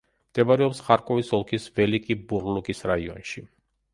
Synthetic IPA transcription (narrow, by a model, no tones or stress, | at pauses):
md̪̥ɛvaɾɛɔpsχaɾkʼɔvisɔlˠkʰisvɛlikʼibuɾlukʼisɾaiɔ̰nʃi